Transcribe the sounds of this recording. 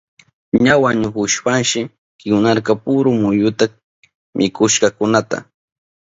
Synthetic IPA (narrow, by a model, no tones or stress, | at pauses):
ɲawaɲʊxʊʃpanʃɪ | kɪŋʊnaɾkapʊɾʊmʊjʊt̪a | mʔɪkʊʃkɑkʊnat̪a̰